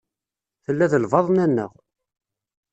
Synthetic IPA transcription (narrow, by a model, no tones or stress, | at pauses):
θəlːæðəlvɑðˤnænːə̰ʁ